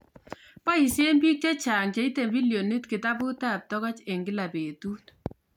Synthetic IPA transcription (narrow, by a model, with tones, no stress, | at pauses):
pa˦i˨se˦mbi˦k̚te˦t͡ʃaː˨ŋt͡ʃe˨˦i˦te˨bi˦ljo˨ne˦tkɪ˨ta˦bu˦ta˦˨p̚tɔ˦ɣɔ˦t͡ʃe˨ŋɡɪ˦la˨pe˨tu˦t